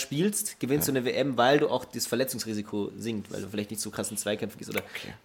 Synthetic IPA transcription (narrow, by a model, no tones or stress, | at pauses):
ʃpiːlstɡ̥əvɪnstd̥uːnəveːʔɛmvaɪlduːʔa̰ʊxd̥iːsfɛɐlɛt͡sʊŋsʁ̥iːzikʰozɪŋtva̰ɪlduːfɪlaɪçtnɪçtt͡sokʁ̥asɪnt͡sv̥aɪkʰɛmfn̩ɡɪːstʔo̰ːdɐ